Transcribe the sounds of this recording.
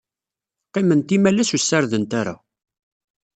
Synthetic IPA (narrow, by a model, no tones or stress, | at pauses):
qimənt̪imælæsusːaɾðənt̪aɾa̰